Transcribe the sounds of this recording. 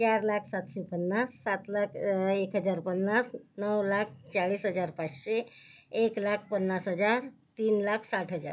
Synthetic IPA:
t͡ɕjaɾlakʰsat̪ɕepənːasːat̪lakʰekɦəd͡zaɾpənːasnəwlak̚ʰt͡ɕaɭiːsɦəd͡zaɾpat͡sɕeeklak̚ʰpənːasɦəd͡zaɾt̪iːnlakʰsaʈʰɦəd͡za̰ɾ

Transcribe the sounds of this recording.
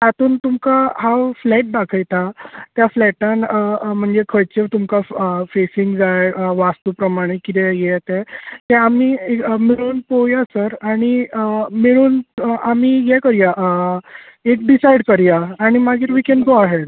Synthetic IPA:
t̪at̪uːnt̪umkaɦaflɛʈ̚d̪akʰajt̪ʰat̪jaflɛʈãnm̤əɳd͡zekʰəjt͡ɕeʋt̪umkafesiŋɡd͡zajʋast̪uːpɾəmaɽ̃ekit̪ɛjɛt̪ɛ̃t̪ɛamiemiɭuːnpojasəɾaɽ̃imiɭuːnamiːjɛkəɾjaʔ | ek̚ɖisajɽkəɾjaaɽ̃imaɡiːɾʋikɛnɡoaɦeɖ

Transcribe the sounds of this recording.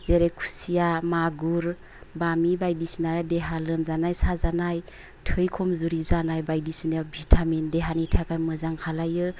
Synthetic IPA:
zeɾekʰu̥sijamaɡuɾ | bamibajdisinajadeɦalɯmzanajsazanaj | tʰɯjkʰɔmzuɾizanajbajdisinabʱitʰamindeɦanitʰakajmɯzaŋkʰalajɯ

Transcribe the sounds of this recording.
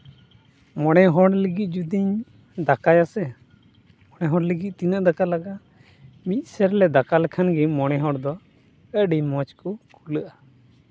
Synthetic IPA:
mɔɽ̃ɛɦɔɽləɡit̪̚ˀd͡ʒud̪iɲ | d̪akajasɛ | mɔɽɛɦɔɽləɡit̪̚t̪inəʔd̪akalaɡa | mit̪̚ˀsəɾlɛd̪akalɛkʰanɡɛmɔɽ̃ɛɦɔɽd̪ɔ | əɖimɔt͡ʃkɔkʰuləʔa

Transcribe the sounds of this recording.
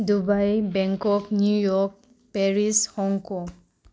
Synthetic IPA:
dubajbɛŋkɔknjujɔk̚ | pɛɹishɔŋkɔ

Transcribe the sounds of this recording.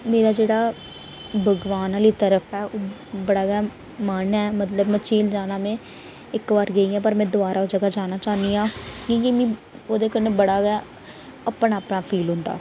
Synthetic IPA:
meːɾaːd͡ʒeːɽaː | bəɡʋaːnaːliːt̪əɾəpʰɛːʔoː | bəɽaːɡaː | mənɛːmət̪ləbmət͡ʃʰiːld͡ʒaːnaːmẽː | ɪkʋaːɾɡəiːãːpəɾmɛ̃ːd̪ʊaːɾaːd͡ʒəɡaːd͡ʒaːnaːt͡ʃaːnd̪iːãːkĩːkimĩː | oːd̪eːkəɾnẽːbəɽaːɡa | əpɳaːpɳaːpʰiːlɦʊ̃nd̪a̰ː

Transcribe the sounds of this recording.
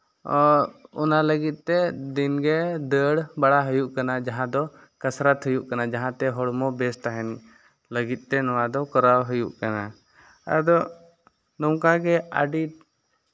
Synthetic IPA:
ɔɔ̰naləɡit̪̚ˀt̪ɛd̪inɡɛd̪əɽbaɽaɦɔjuʔkanad͡ʒaɦãd̪ɔ | kasɾat̪ɦujuʔkanad͡ʒaɦãt̪ɛɦɔɽmɔbɛst̪aɦɛn | ləɡit̪̚ˀt̪ɛnɔwad̪ɔkɔɾawɦujṵʔkana | a̰d̪ɔ | nɔwkaɡɛa̰ɖi

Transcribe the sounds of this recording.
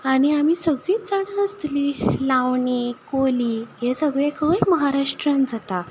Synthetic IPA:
aɽ̃iamiːsəɡɭiːt̪d͡zaɽ̃əəst̪liːlaʋɳikoliːɦesəɡɭekʰəjməɦaɾaʂʈɾãnd͡zat̪a

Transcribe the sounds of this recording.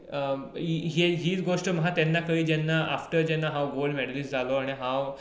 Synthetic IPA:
iɦeɦiːt͡sɡoʂʈəməɦat̪jɛnːakəɦiːd͡ʑɛnːaʔa̰fʈəɾd͡ʑɛnːaɦãwɡolmɛɽliːsd͡zʱaloaɽ̃iɦãw

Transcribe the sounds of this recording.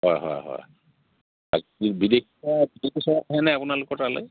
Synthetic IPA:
ɦɔjɦɔ̰jɦɔ̰j | aibidek̚ʰabisɔɦɛnɛapunalʊkɔtalɛ̰

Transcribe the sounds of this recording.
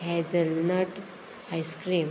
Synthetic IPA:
ɦɛd͡zəlnəʈ | ajskɾim

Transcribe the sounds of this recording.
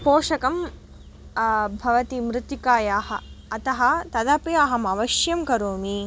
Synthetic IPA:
poːʂɐkɐm | bʱɐʋɐt̪imɾɪt̪ikaːjaːhɐːt̪ɐɦɐ̆t̪ɐd̪ɐpjaːɦɐmɐʋɐʃjɐmkɐɾoːmi

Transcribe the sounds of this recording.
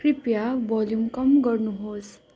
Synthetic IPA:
kɾipjaʋɔljumkʌmɡʌɾnuɦoːs

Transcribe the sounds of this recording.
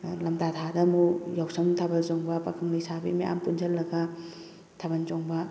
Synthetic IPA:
lɐmtatʰadɐmujawsɐŋtʰɐbɐlzoŋbɐpɐkʰɯŋlisabḭmiʔa̰mpund͡ʒɐlːɐɡɐ | tʰɐbɐnzɔŋbɐ

